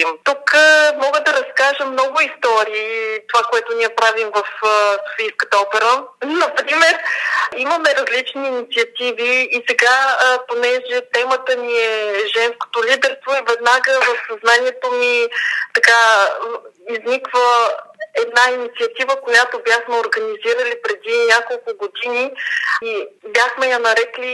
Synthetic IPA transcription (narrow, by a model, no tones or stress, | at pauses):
imt̪ukmɔɡəd̪ɐɾɐskaʒəmnɔɡʊist̪ɔɾiːt̪ovakoɛt̪oniɛpɾavimvəfso̥fijskət̪əɔpɛɾənɐpɾimɛɾiməmɛɾɐzlit͡ʃniːnit̪siɐt̪iviːsɛɡaponɛʒɛt̪ɛmət̪əniɛʒɛnsko̥t̪olid̪ɛɾst̪voivɛd̪naɡəvəfsɐznaniɛt̪omit̪ɐka | iznikvəɛd̪nainit̪siɐt̪ivəkojat̪objaxmɛoɾɡəniziɾəlipɾɛd̪inʲakolˠkʊɡod̪iniibjaxmɛjɐnɐɾɛkli